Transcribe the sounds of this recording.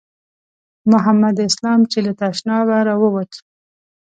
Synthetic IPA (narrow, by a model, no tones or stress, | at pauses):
mʊɦamːad̪ɪslɑmt͡ʃelat̪aʃnɑwaɾawəwat̪